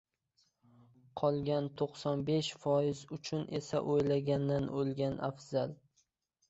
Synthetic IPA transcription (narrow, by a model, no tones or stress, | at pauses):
qʰɒlˠɡʲant̪ʰoqsɒnbe̞ʃfɒjɪzʊt͡ʃʰʊnʔe̞̰sa̰ʔojlaɡʲand̪anolˠɡʲanʔafz̥al